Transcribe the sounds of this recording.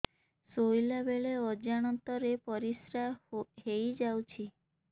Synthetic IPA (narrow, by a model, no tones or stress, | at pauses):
sojlabeɭeɔd͡ʒaɽ̃ɔnt̪ɔɾepɔɾisɾaɦejd͡ʒawt͡ʃʰi